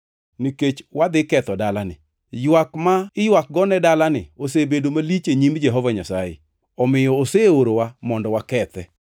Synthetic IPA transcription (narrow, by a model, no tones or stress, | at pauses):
niket͡ʃwad̪ɪkɛt̪ɔdalanɪ̰ | jwakmaɪjwak̚ɡɔnɛdalanɪ̰osebedomalit͡ʃeɲimd͡ʒɛɦɔvaɲasajḛ | ɔmɪjɔoseoɾowamɔndɔwakɛt̪ɛ